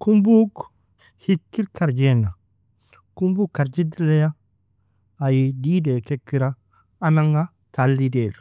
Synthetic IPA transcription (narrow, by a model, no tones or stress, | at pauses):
kumbuk | hikːiɾkaɾd͡ʒena | kumbukːaɾd͡ʒidileja | ajididekekːiɾa | anaŋɡa | talːideɾ